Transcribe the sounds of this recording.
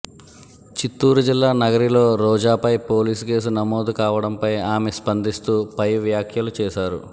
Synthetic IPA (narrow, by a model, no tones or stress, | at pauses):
t͡ʃit̪ːuːɾud͡ʒilːaːnɐɡɐɾilo̞ːɾɔːd͡ʒaːpɐjpo̞ːliːsuke̞ːs̬unɐmoːd̪ukaːʋɐɽɐmpɐjaːmespɐnd̪ist̪uːpɐjʋjaːkʰjɐlut͡ʃɛːʃaːɾu